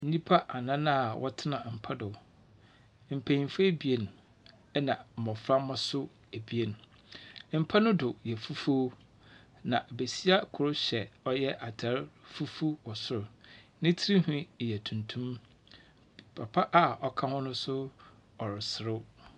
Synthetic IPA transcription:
n̩˦nĩ˦pʰa˦ʔa˨nã˦nã˦a˨wʔɔ̰˦tʰɪ˦nã˨m̩˨pʰa˦dʊ˨ | m̩˨pʰæ̃˨ĩ˨mfa˦e˦bi˨e˨n˨ | ɛ˦nã˨m̩˨mɔ̃˨fɾa˦mã˦sʊ˦ | e˨bi˨e˨ñ˨ | m̩˨pʰa˦nʊ̃˦dʊ˨jɛ˨fu˦fo˦ | nã˨ʔbe˨si˦a˦kʰʊ˨ɾʊ˦ɕɛ˨ɔ˦jɛ˦ʔa˨tʰɛ˨˦ɾfu˦fu˦wɔ˨sʊ˦ɾʊ˨nɪ̃˦tʰi˦ɾi˦hʊ̃˦˨jɛ˨tʰũ˨ntʰũ˦m | pʰa˨pʰa˦ʔa˦ɔ˦kʰã˦hʊ̃˦nʊ̃˦sʊ˦ | ɔ˨ɾɪ˨sɪ˨ɾʊ˦

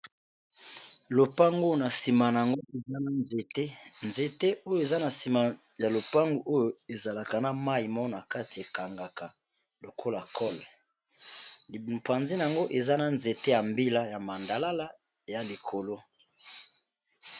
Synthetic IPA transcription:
lo˨pa˦ŋɡo˦jo˨na˨si˨ma˨na˨a˨ŋɡo˦e˨za˦na˦nze˨te˦nze˨te˦o˦jo˨e˨za˦na˨si˨ma˨ | ja˨lo˨pa˦ŋɡu˨ʔo˦jo˨e˨za˨la˨ka˨na˦ma˦i˨mɔ˦na˨ka˦ti˨e˨ka˨ŋɡa˨ka˨ | lo˨kʰo˦la˨kʰɔ˦l | pwa˨nzi˦na˨a˨ŋɡo˦ʔe˨za˦na˨nze˨te˦ja˨mbi˦la˦ja˨ma˨nda˨la˦la˦ | ja˨li˨kʰo˨lo˦

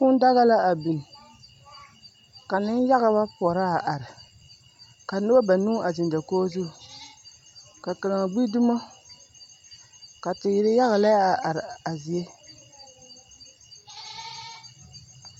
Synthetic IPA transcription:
ku˦n˦da˦ɣa˦la˦a˨bi˨n˨ | ka˨nɨ˦n˦ja˦ɣa˨ba˦pɔ˨ɾa˦a˨ʔa˨ɾɪ˨ | ka˨˦nɨ˦ba˦ba˨nu˦a˨zɪ˨nda˨koː˦zʊ˦˨ | ka˨ka˨la˨ŋ˨ɡ͡bi˦du˦ma˦ | ka˨tɪ˨ji˦ɾɪ˦ja˦ɣa˨la˦ja˨ʔa˨ɾɪ˨a˨zi˨e˦

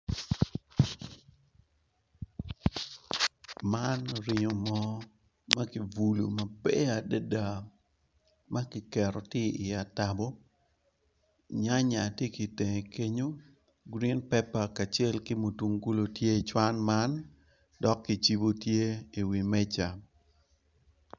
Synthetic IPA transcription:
ma˦nɾɪ˨ɲo˨mɔ˦ | ma˦ki˨vu˨lṵ˨ma˨bɛ˦a˨de˦da˨ | ma˦kɪ˨kɛ˨ɾɔ˨tɪ˦ɪ˨a˨ta˨bo˦ | ɲa˦ɲa˨tje˦ki˨te˨ŋe˨ke˦ɲo˦ | ɡɾi˦npɛ˦pa˨ka˨t͡ʃe˦lki˦mo˨tu˨ŋɡu˦lo˨tje˦i˨t͡ʃwa˦nma˦n | dɔ˦kːi˨t͡ʃi˦bo˦tje˦i˨wi˨mɛ˦t͡ʃa˨

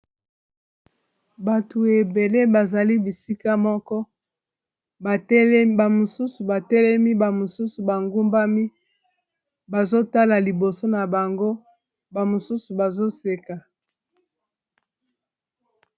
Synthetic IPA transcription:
ba˨tʰu˨e˨be˨le˦ba˨za˨li˦bi˨si˦ka˦mɔ˦kɔ˦ | bba˨mo˨su˦su˨ba˨tɛ˦lɛ˦mi˦ba˨mo˨su˦su˨ba˨ŋɡu˦mba˦mi˦ | ba˨zo˦ta˦la˨li˨bo˨so˦na˨ba˨ŋɡo˦ | ba˨mo˨su˦su˨ba˨zo˦se˨ka˨

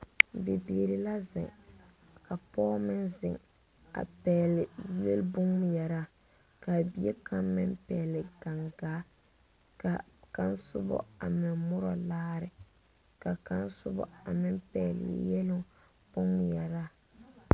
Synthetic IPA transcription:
be˨bi˨ɾɪ˨la˦zɪ̰˨ŋ | ka˨pɔː˦mɪ˦nzɪ̰˨ŋ | a̰˨pɛː˨lɪ˨jɛ˦lbʊ˦ŋm˦jɛ˨ɾa˦˨ | ka˨bi˨˦e˦ka˦mmɪ˦mpɛː˨lɪ˨ɡa˨ŋɡaː˨˦ | ka˨ka˦nsʊ̰˦bɔ̰˦a˨mɪ˨nmʊ˦ɾɔ˨laː˦ɾɪ˨ | ka˨ka˦nsʊ̰˦bɔ̰˦a˨mɪ˦mpɛː˨lɪ̰˨˦jɛ˦lɪ˦ | b̥ʊ˦ŋm˨jɛ˨ɾa˦˨

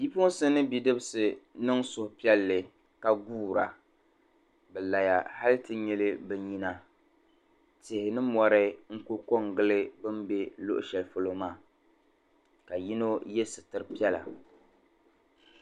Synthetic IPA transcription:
i˦po˦sɨ˦nɨ˦bi˨dɨ˦bɨ˦sɨ˨nɨ˦ŋsʊ˨hʊ˨pi˦ɛ˦lːɨ˨ | ka˦ɡuː˦˨ɾa̰˨ | bɛ˨la˨ja˨ha˦lɨ˦tɨ˦ɲɛ˦lɨ˦bɨ˦ɲi˦na˦ | tɪ˨hɪ˨nɨ˦mɔ˨ɾɨ˦ŋ̩˦ku˦ko˦ŋɡɨ˦lɨ˦bɨ˦mbe˦lo̰˦ʔʊ̰˨ʃɛ˨lfo˦lo˦maː˦˨ | ka˨ji˦no˦jɛ˦sɨ˨tɨ˦ɾɨ˦pi˦ɛ˦la̰˨

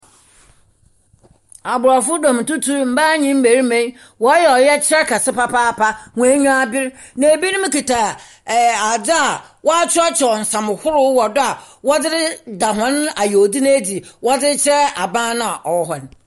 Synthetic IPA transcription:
a˨bʊ˨ɾa˨fʊ˦dɔ̃˨m̩˨tʊ˦tʰu˦ɾm̩˨ba˦ɲĩ˦m̩˦be˨ɾi˦mẽ˦ | wɔ˨˦jɛ˨ɔ˨jɛ˦t͡ɕʰɪ˦ɾɛ˦kʰa˨sɪ˦pa˦pʰaː˦pʰa˦ŋũ˨e˦ɲũ˦a˦˨bɪ˦ɾ | nã˨e˨bi˦nʊ̃˦mɪ̃˦ki˨tʰa˨ | a˨d͡zɪ˦a˨wɔ˦a˦t͡ɕʰɪ˦ɔ˦t͡ɕʰɔ˨n̩˨sã˨m˨hʊ˦ɾʊ˦wɔ˨dʊ˦a˨ | wɔ˦dɪ˦ɾɪ˦da˨ɦɔ̃˦n˦a˨jo˨di˦ñ˦e˦di˨wɔ˦dɪ˦ɾt͡ɕʰɾɛ˦a˨bãː˦nã˦a˨ʔɔ˨wɔ˦ɦɔ˨n˨

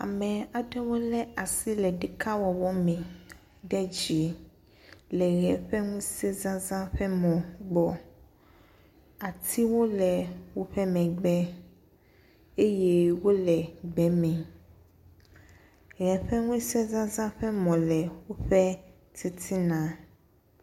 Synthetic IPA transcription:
a̰˨mɛ̃˨a˨ɖɛ˦wo˦lɛ˦a˨si˦lɛ˨ɖɛ˨kʰa˦wɔ˨wɔ˦mɛ̃˨ | ɖɛ˦d͡ʑi˨ | lɛ˨ɣɛ˨ɸɛ˦ŋũ˦sɛ˦zã˦zã˦ɸɛ˦mɔ̃˨ɡ͡bɔ˨ | a˨t̪ʰi˦wo˦lɛ˨wo˦ɸɛ˦mɛ̃˨ɡ͡bɛ˦ | e˦jɛ˦wo˦lɛ˨ɡ͡bɛ˨mɛ̃˨ | ɣɛ˨ɸɛ˦ŋũ˦sɛ˦zã˦zã˦ɸɛ˦mɔ̃˨lɛ˨wo˦ɸɛ˦ | t̪ʰi˦t̪ʰi˦nã˨

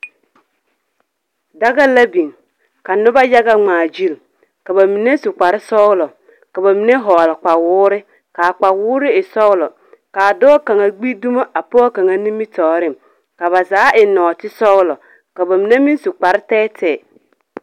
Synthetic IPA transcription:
da˦ɣa˦la˦bi˨ŋ | ka˨nʊ˦ba˦ja˦ɡa˦ŋ͡maː˨d͡ʒi˦˨l | ka˨ba˨mi˨ne˦sʊ˨k͡pa˨ɾɪ˦sɔ˦wlɔ˨ | ka˨ba˨mi˨ne˦ɦɔː˨lɪ˨k͡pa˨wʊː˦ɾɪ˦ | ka˨k͡pa˨wʊː˦ɾɪ˦ɪ˨sɔ˦ʊ˦lɔ˨ | kaː˨dɔː˦ka˨ŋa˨ɡ͡bi˦du˦ma˦ʔa˨pɔ˦ka˨ŋa˨ni˦mi˦tɔː˨ɾɪ˦˨m | ka˨βa˨zaː˨˦ʔɪ˨nɔː˨tɪ˦sɔ˦wlɔ˨ | ka˨ba˨mi˨ne˦mi˦n˦sʊ˨k͡pa˨ɾɪ˦tɛː˦tʰɛ˦˨

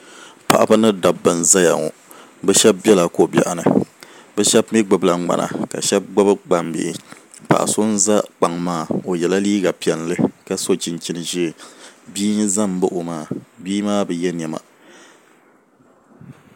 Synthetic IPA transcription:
pa̰˨ʔa˨ba˦nɨ˦da˨bːɨ˨n˨za˦ja̰˨ŋo̰˨ | bɛ˦ʃɛ˦b̚bɛ˦la˨ko˦˨bʲɛ̰˨ʔa˨nɨ̰˨ | bɛ˦ʃɛ˦bmi˦ɡ͡bɨ˨bla˨˦ɡ͡ba̰˨na̰˨ka̰˨ʃɛ˦b̚ɡ͡bɨ˦bɨ˦ɡ͡ba˨mbɪ̰˨ʔɪ˨ | pa̰˨ʔa̰˨so˦n̩˦za˦k͡pa˨ŋmaː˦˨o˨jɛ˨la˦liː˦ɡa˨pi˨ɛ˨llɨ˦ka˦so˦t͡ʃi˨n˨t͡ʃi˦nɨ˨ʒi˦˨biː˦n˦za˦m˨˦bɨ˦ʔo˨maː˦˨biː˦maː˦bɨ˨jɛ˦n˨ɛ˨ma̰˨

